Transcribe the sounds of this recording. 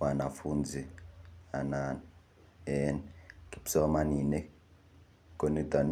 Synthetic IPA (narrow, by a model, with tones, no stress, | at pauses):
wa˨na˨fuː˦nd͡zʱi˨a˨nan | ɛ˦nki˨psɔ˦ma˦ni˨nɛ˦ | kʼo˨ni˦dʱɔ˨n